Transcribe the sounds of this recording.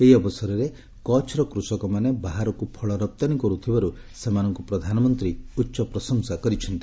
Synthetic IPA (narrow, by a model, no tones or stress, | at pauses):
eɦiɔbɔsɔɾɔɾe | kɔt͡ʃɾɔkɾusɔkɔmanebaɦaɾɔkupʰɔɭɔɾɔp̚t̪anikɔɾut̪ʰibaɾu | semanɔŋkupɾɔd̪ʱanɔmɔnt̪ɾiutːʃɔpɾɔsɔŋsakɔɾit͡ʃʰɔnt̪i